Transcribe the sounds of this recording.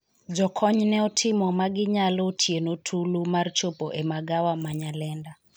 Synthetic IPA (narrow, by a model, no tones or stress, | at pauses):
d͡ʒɔkʰɔɲnɛɔtʰɪmɔmaɡɪɲalotʰjenotʰulumart͡ʃopoʔɛmaɡawamaɲalɛnda